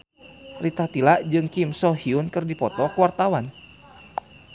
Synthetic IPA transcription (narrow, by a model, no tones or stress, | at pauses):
rit̪at̪ilaʔd͡ʒɨŋkimsɔhiunkɨrdipɔt̪ɔkuwart̪awan